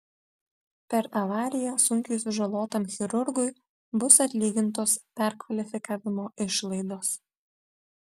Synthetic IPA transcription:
pʲɛɾɐʋɑːɾʲɪjɛsʊŋʲkʲʊɪsʲʊʒɐlˠoːt̪ɐmxʲɛɾʊɾɡʊɪ | bʊsɐt̪ʲlʲiːɡʲɪnt̪̬oːspʲɛɾkʋɐlʲɪfʲɪkɑːʋʲɪmoːʔɪʃlˠɐɪd̪oːs

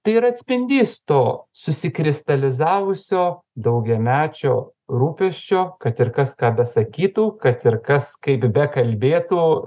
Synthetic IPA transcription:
t̪ɐɪɪɾɐt̪ʲsʲpʲɪnʲd̪ʲiːst̪oːsʊsʲɪkɾʲɪst̪ɐlʲɪzɑːʋʊsʲoː | d̪ɐʊɡʲɛmʲæːt͡ʃʲoː | ɾuːpʲɛʃʲt͡ʃʲoːkɐt̪ɪɾkɐskɑːbʲɛsɐkʲiːt̪uːkɐt̪ɪɾkɐskɐɪpbʲɛkɐlʲbʲeːt̪uː

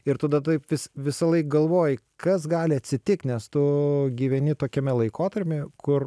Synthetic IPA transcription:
ɪɾt̪ɐd̪ɐt̪ɐɪpʋʲɪsʋʲɪsɐlˠɐɪk̚ɡɐlˠʋoːjɪkɐsɡɑːlʲɪɐt̪ʲsʲɪt̪ʲɪkt̪nʲɛst̪ʊɡʲiːʋʲɛnʲɪt̪oːkʲɛmʲɛlˠɐɪkoːt̪ɐɾʲpʲɛkʊr

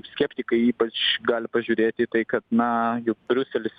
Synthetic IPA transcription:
sʲkʲɛpʲt̪ʲɪkɐɪiːpɐt͡ʃɡɑːlʲɪpɐʒʲuːɾʲeːt̪ʲɪt̪ɐɪkɐt̪nɐjʊk̚bʲɾʲʊsʲɛlʲɪs

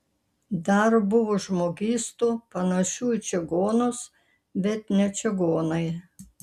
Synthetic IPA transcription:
d̪ɐɾbʊʋoːʒmoːɡʲiːst̪uːpɐnɐʃʲuːɪt͡ʃʲɛɡoːnʊs | bʲɛt̪nʲɛt͡ʃʲɛɡoːnɐɪ

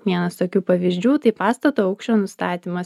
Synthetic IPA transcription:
ʋʲiɛnɐst̪oːkʲuːpɐʋʲiːzʲd͡ʒʲuːt̪ɐɪpɑːst̪ɐt̪oːɐʊkʃʲt͡ʃʲoːnʊst̪ɑːt̪ʲiːmɐs

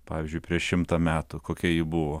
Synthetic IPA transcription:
pɑːʋʲɪzʲd͡ʒʲʊɪpʲɾʲiɛʃʃʲɪmt̪ɐmʲæːt̪ʊkoːkʲiɛjɪbʊʋoː

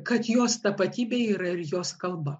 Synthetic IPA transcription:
kɐt̪joːst̪ɐpɐt̪ʲiːbʲeːiːɾɐɪɾjoːskɐlˠbɐ

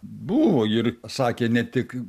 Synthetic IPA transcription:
buːʋoːɪrsɑːkʲeːnʲɛt̪ʲɪk

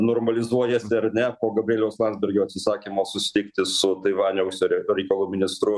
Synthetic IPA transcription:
noːrmɐlʲɪzuɔjɛsʲɪɐɾnʲɛpoːɡɐbʲɾʲeːlʲɛʊslˠɐnʲzbʲɛɾʲɡʲoːɐt̪sʲɪsɑːkʲimoːsʊsʲɪ̥t̪ʲɪkt̪ʲɪsʊt̪ɐɪʋɑːnʲɛʊsʲoɾʲoɾʲɛɪkɐlˠuːmʲɪnʲɪst̪ɾʊ

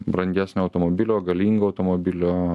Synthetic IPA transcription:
bɾɐnʲd̪ʲæːsʲnʲoɐʊt̪omobʲɪlʲoːɡɐlʲiːŋɡoːɐʊt̪omobʲɪlʲoː

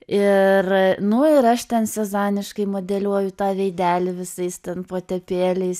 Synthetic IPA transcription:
ɪrnʊɪɾɐʃt̪ʲɛnsʲɛzɑːnʲɪʃkɐɪmoːd̪ʲɛlʲuɔjʊt̪ɑːʋʲɛɪd̪ʲæːlʲɪʋʲɪsɐɪst̪ʲɛnpoːt̪ʲɛpʲeːlʲɛɪs

